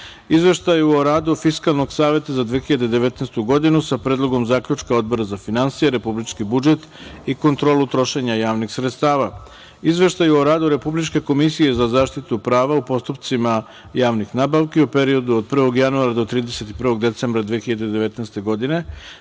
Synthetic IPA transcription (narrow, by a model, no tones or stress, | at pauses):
izʋe̞ʃt̪ajuoɾaːd̪ufiskalˠno̞ɡsaːʋe̞t̪azad̪ʋexiʎad̪ed̪e̞ʋe̞t̪nest̪uɡo̞d̪inusapɾe̞ːd̪lˠo̞ɡo̞mzaːkʎut͡ʃkao̞d̪̚bo̞ɾazafinansijeɾe̞publit͡ʃkibud͡ʒe̞t̪ | iko̞nt̪ɾo̞ːlut̪ɾo̞ʃe̞ɲajaːʋnixsɾet̪st̪aːʋa | izʋe̞ʃt̪ajuoɾaːd̪uɾe̞publit͡ʃke̞ko̞misije̞zazaːʃt̪it̪upɾaːʋaupo̞st̪up̚t̪sima | jaːʋnixnaːbaʋkeupe̞ɾio̞d̪uod̪̚pr̩ʋo̞ɡjanuaɾad̪o̞t̪ɾiːd̪ese̞t̪ipr̩ʋo̞ɡ̚d̪e̞t̪seːmbɾad̪ʋiexiʎad̪ed̪eʋe̞t̪nest̪e̞ɡo̞d̪ine̞